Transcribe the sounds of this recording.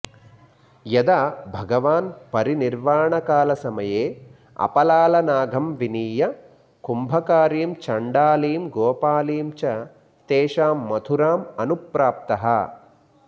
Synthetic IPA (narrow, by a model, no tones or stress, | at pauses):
jɐd̪abʱɐɡɐʋaːnpɐɾiniɾʋaːɳɐkaːlɐsɐmɐjeː | ɐ̰pɐlaːlɐnaːɡʱɐmʋiniːjɐ | kumbʱɐkaːɾiːmt͡ʃɐɳɖaːliːmɡɔːpaːliːmt͡ʃɐ | t̪eːʂaːmːɐt̪ʰuɾaːmɐnupɾaːp̚t̪ɐɦɐ̰